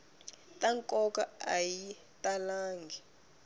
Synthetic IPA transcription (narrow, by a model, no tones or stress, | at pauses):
tʼaŋkʼɔkaaji | tʼalaːŋɡʱi